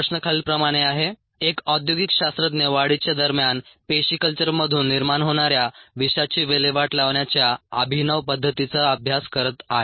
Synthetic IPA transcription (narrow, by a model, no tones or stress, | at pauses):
əɕnəkʰaɭiːlpɾəmaɽ̃eaɦe | ekɔd̪joɡikɕast̪ɾət̪neʋaɽit͡ɕjad̪əɾmjanpeɕikəlt͡ɕəɾməd̪ʱuːnːiɾmaɳɦoɽ̃aɾjaʋiɕat͡ɕiːʋeleʋaʈlaʋɳjat͡ɕjaəbʱinəʋpəd̪ʱːət̪it͡saəbʱjaskəɾət̪aɦe